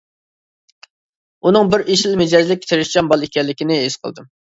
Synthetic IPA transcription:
unɨŋbɪɾiʃɪmɪd͡ʒɑzlɪkʲt̪ʰeɾɪʃt͡ʃɑmbɑlˠekʲɛlːɪkʲɪnɪesqʰə̰lˠd̪ɨm

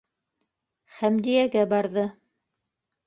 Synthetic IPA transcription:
χæmd̪ijæɡæbɑɾðɤ

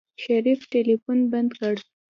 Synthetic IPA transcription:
ʃaɾifʈelifunband̪kaɽ

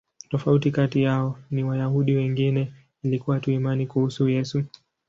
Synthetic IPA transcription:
tɔfautikatijaɔniwajahuɗiwɛŋɡinɛ | ilikuwatuimanikuhusujɛsu

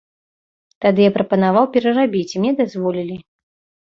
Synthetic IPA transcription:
t̪ad̪ɨjapɾɐpɐnavawpʲɛɾɐrabʲit͡sʲimnʲɛd̪azvɔlʲilʲi

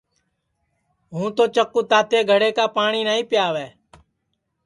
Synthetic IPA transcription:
ɦũːt̪oːt͡ʃəkːuːt̪aːt̪eːɡʱəɽeːkaːpaːɳiːnaːĩːpɪjaːʋɛː

